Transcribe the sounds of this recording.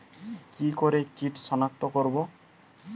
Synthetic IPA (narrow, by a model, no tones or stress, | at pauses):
kikoɾekiʈʃɔnak̚t̪okoɾbo